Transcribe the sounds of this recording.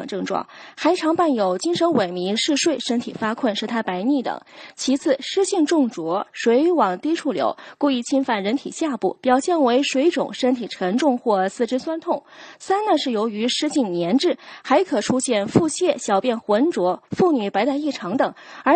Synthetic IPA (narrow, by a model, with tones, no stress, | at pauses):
ŋʈ͡ʂɤ˥˧ŋʈ͡ʂwɑ̰˥˩ŋxa˧˥ɪʈ͡ʂʰɑ˧˥ŋpa˥˩njo˨˩ʊt͡ɕi˥ŋʂə˧˥nwe˨˩ɪmi˧˥ŋʂɻ̩˥˧ʂwe˥˩ɪʂə˥nt̪ʰḭ˨˩fa˥kʰwə˥˧nʂɻ̩˥˩t̪ʰa˥pa˧˥ɪni˥˩t̪ɤ̰˨˩˦ŋt͡ɕʰi˧˥t͡sʰɹ̩˥˩ʂɻ̩˥ɕi˥˧ŋʈ͡ʂʊ˥˩ŋʈ͡ʂwɔ˧˥ʂwe˧˥ɪwɑ˨˩ŋt̪i˥ʈ͡ʂʰu˥˩ljo̰˧˥ʊku˥˧i˥˩t͡ɕʰi˥nfa˥˩nɻə˧˥nt̪ʰḭ˨˩ɕja˥˧pṵ˥˩pjɑ˨˩ʊɕjɛ˥˩nwe˧˥ɪʂwe˧˥ɪʈ͡ʂʊ̰˨˩ŋʂə˥nt̪ʰi˨˩ʈ͡ʂʰə˧˥ŋʈ͡ʂʊ˥˧ŋxwɔ˥˧sɹ̩˥˩ʈ͡ʂɻ̩˥swa˥nt̪ʰʊ˥˩ŋsa˥nnə˨ʂɻ̩˥˩jo˧˥ʊy˧˥ʂɻ̩˥ɕi˥˩ŋnjɛ˧˥nʈ͡ʂɻ̩˥˩xa˧˥ɪkʰɤ˨˩ʈ͡ʂʰu˥ɕjɛ˥˧nfu˥˧ɕjɛ˥˩ɕjɑ˨˩ʊpjɛ˥˩nxwə˧˥nʈ͡ʂwɔ˧˥fu˥˩ny˨˩pa˧˥ɪt̪a˥˧ɪi˥˩ʈ͡ʂʰɑ˧˥ŋt̪ɤ˨˩ŋə˞˧˥